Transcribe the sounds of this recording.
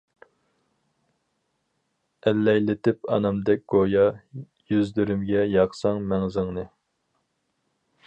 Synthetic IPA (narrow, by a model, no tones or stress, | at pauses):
ɛlːɛjlɪt̪ɪpɑ̰nɑmd̪ɛk̚ʲɡ̥ojɑ | jyzd̪yɾymɡʲɛjɑqsɑŋmɛŋzɪŋnɨ